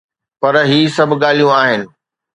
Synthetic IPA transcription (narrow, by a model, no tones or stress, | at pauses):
pɐɾɦiːsɐbʱɠaːl̤ijũaːɦɪnɪ̆